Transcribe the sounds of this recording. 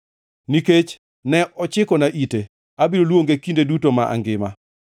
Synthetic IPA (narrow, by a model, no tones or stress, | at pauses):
niket͡ʃ | nɛʔɔt͡ʃɪkɔnaʔite | abiɾolwoŋɡekindedutomaʔa̰ŋɡɪma̰